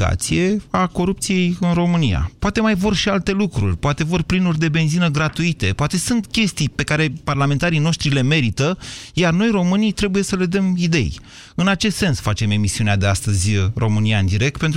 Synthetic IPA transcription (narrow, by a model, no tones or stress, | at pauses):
a̰t̪sije̞ako̞ɾup̚t̪sije̞jɨnro̞mɨnija̰poat̪e̞majvo̞rʃialt̪e̞lukɾṵrʲpoat̪e̞vo̞rplinurʲd̪e̞be̞nzinəɡɾat̪uit̪e̞poat̪e̞sunt̪kʲe̞st̪ijpe̞kaɾe̞parlament̪aɾijno̞ʃt̪ɾile̞me̞ɾit̪əjarno̞jro̞mɨnijt̪ɾe̞buje̞səle̞d̪əmid̪e̞̰j | ɨnat͡ʃe̞st̪se̞nsfat͡ʃe̞me̞misiunead̪e̞ast̪əzʲro̞mɨniaɨnd̪iɾe̞k̚t̪̚pe̞nt̪